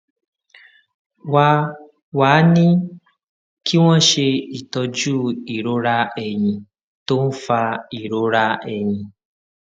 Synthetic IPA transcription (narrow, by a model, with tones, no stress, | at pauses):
wa˧ | waː˨˦nĩ˦ | kʰi˦w̃ɔ̃˦ʃe˧i˨tɔ˧d͡ʒuː˦˨i˨ɾo˦ɾa˦ɛ˦˨j̃ĩ˧ | to˦n̩˦fa˧i˨ɾo˦ɾa˦ɛ˨j̃ĩ˧